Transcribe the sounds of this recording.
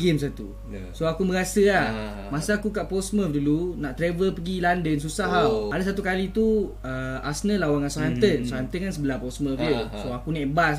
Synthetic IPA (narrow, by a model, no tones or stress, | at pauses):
ɡems̬at̪ṵ | soakumə̃ɡasəah | masaakukaʔposməfdulunaʔt̪ɾevəlpəɡilandəns̬usaɦaadas̬at̪ukalit̪u | əa̰snəlawaŋansoɦɛmt̪ənsohɛmt̪ənkansəbəlapɔsməfəsoakunaʔbas